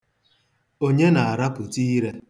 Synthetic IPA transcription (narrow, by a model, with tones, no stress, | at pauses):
o˦ɲe˦na˨a˨ɾa˦pʊ˨ti˦ɾe˦